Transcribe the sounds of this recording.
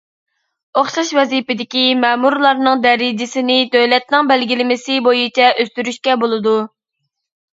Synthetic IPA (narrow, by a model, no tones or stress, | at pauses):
oχʃɑʃvɛzipɪd̪ɪkʲimɛːmuɾlˠɑɾnɨŋd̪ɛɾɪd͡ʒɪsɪnɪt̪ʰølɛt̪̚nɪŋbɛlɡʲilɪmɪsɪbojit͡ʃʰɛʔøst̪yɾyʃkʲɛbolˠɨd̪u